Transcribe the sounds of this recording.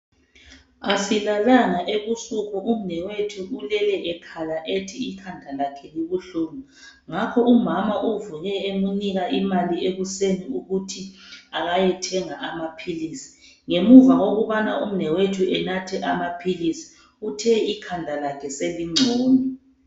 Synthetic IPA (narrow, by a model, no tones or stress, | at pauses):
asilalaŋaʔeβusukʰɔʔum̩nɛwetʰuʔulɛlɛʔɛkʰalaʔetʰiikʰandʱalakʰɛliɣuɬuːma | ŋakʰɔumamaʔuvuɲɛemuniɣaimalieɣuseniuɣutʰiaɣajɛtʰɛŋaʔamapʰilisi̥ | ŋemuvawoɣuβanaum̩nɛwetʰuɛnatʰɛʔamapʰilisi̥ | utʰɛikʰandʱalakʰɛseliŋ͡ǀʱuːni